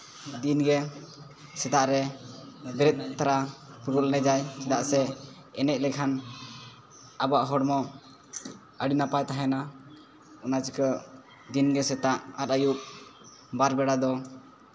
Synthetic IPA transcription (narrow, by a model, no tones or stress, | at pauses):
d̪inɡɛ | sɛd̪aʔɾɛ | bɛɾɛt̪̚t̪aɾapuɾɔʔlnɛd͡ʒajsɛd̪aʔsɛ | ɛnɛc̪̚lɛkʰan | abaʔɦɔɽmɔ | əɽinapajt̪aɦɛna | ɔnat͡ʃikə | d̪inɡɛsɛt̪aʔat̪ajuʔ | baɾbɛɽad̪ɔ